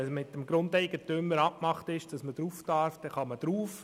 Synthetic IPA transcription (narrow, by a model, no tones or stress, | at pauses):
ɛsmɪtːəmɡɾʊndɛɪɡ̥ətʏmːəɾɑpmɑχtɪʃd̥ɑsməd̥ɾuːftɑɾfd̥ɛχɑməd̥ɾuːf